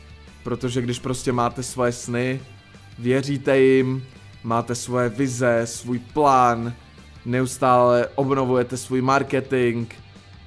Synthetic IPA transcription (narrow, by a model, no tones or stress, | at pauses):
pɾo̞t̪oʒɛɡdɪʃpɾo̞scɛmaːt̪ɛsvo̞jɛsnɪ | vjɛr̝iːt̪ɛjɪmː | aːt̪ɛsvojɛvɪzɛsvuːjplaːnː | ɛust̪aːlɛʔo̞bno̞vujɛt̪ɛsvuːjmaɾkɛt̪ɪŋk